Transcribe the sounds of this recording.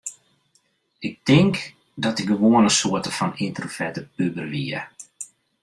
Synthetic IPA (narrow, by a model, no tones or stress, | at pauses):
ɪk̚tɪŋk | dɔtəɡəʋoənəsoətəfɔnintərfɛtəpybərʋiə